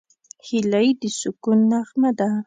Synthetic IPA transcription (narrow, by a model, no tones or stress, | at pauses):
hɪlajd̪ɪsʊkʊnːaχmad̪a